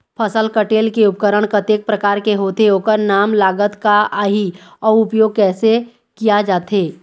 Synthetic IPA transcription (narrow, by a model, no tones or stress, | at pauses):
pʰəsəlkəʈeːlkeʊp̚kəɾəɽ̃kət̪eːk̚pɾəkaːɾkeɦoːt̪eɦoːkəɾnaːmlaːɡət̪kaaːɦiɔːɾʊpjoːɡ̚kɛːse | kijad͡ʒaːt̪ɦeː